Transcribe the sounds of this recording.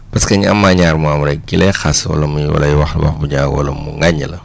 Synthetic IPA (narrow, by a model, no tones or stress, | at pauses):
pɐskɐɲɐmːaɲaːɾmuamɾɛk̚ɡilɛjxaswɐ̰lɐmujwɐ̰lɐjiwɐxwɐ̰xbuɲaːɡwɐ̰lɐmṵŋɡaɲːɐlɐ